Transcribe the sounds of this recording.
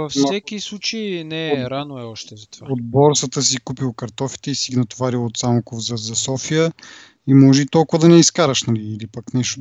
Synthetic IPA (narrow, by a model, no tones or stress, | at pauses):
vɐfsɛkislˠut͡ʃeinɛɾanoɛɔʃt̪ɛzɐt̪vaod̪̚bɔɾsət̪əsikupilˠkɐɾt̪ɔfi̥t̪ɛisiɡinɐt̪vaɾilˠot̪samokovzɐzɐsɔfijə | imɔʒɛit̪ɔlˠkʊvəd̪ɐnɛiskaɾəʃnɐliːlipɐknɛʃt̪o